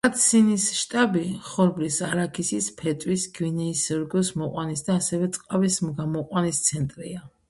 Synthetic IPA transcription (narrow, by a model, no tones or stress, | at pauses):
at̪ʰsinisʃt̪ʼabiχɔɾblisaɾakʰisispʰɛt̪ʼwisɡwinɛisɔɾɡɔsmɔqʼwanisd̪aːsɛvɛt̪sʼqʼavismɡamɔqʼwanist̪sʰɛnt̪ʼɾia